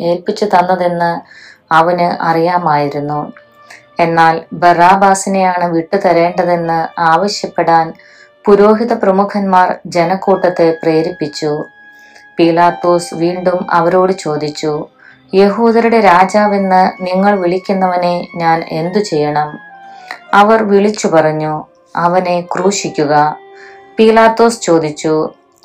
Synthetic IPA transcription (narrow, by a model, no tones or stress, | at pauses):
e̞ːlpit͡ɕːut̪ɐnːɐðenːɨ | ɐʋɐnɨʔɐrijaːmaːjiɾunːu | e̞nːaːlbɐraːbaːsine̞jaːɳɨʋiʈːut̪ɐɾe̞ːɳɖɐðe̞nːɨaːʋɐɕjɐpːe̞ɽaːn | puɾo̞ːɦiðɐprɐmukʰɐnmaːrd͡ʑe̞nɐkːuːʈːɐt̪ːe̞preːɾipːit͡ɕːu | piːlaːt̪ːo̞ːsʋiːɳɖumɐ̰ʋɐɾo̞ːɽɨt͡ɕo̞ːd̪it͡ɕːu | je̞ɦuːd̪ɐɾuɽe̞ɾaːd͡ʑaːʋinːɨniŋːɐɭʋiɭikʲːunːɐʋɐne̞ɲaːne̞̰nd̪ut͡ɕe̞jːɐɳɐm | ɐʋɐrʋiɭit͡ɕːupɐrɐɲːu | ɐʋɐne̞kruːɕikʲːuɣɐpiːlaːt̪ːo̞ːst͡ɕo̞ːd̪it͡ɕːu